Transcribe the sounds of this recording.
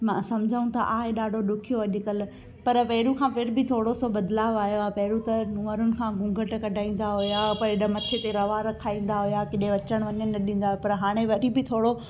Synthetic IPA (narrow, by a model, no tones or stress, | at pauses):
mãːsɐmd͡ʑʱaũt̪ʰɐ̰ʔaːɦeɗaːɖʱoɗʊkʰijoɐʄʊkəl | pɐɾpɛɦɪɾũkʰãːpɪɾbʱɪt̪ʰoːɽosobɐd̪laːʋaːjoaːpɐɦɪɾũt̪ɐnũːəɾʊnɪ̆kʰãːɡũːŋɡʱəʈkɐɖʱaːĩːn̆d̪aɦʊjapɐɪɗəmɐt̪ʰet̪eɾɐʋaɾɐkʰaːĩːn̆d̪aɦʊjakɪɗɦẽʋɐt͡ɕəɽ̃ʋɐɲənːɐɗĩːn̆d̪aɦpɐɾɦaːɽ̃eʋɐɾibɪt̪ʰoːɽo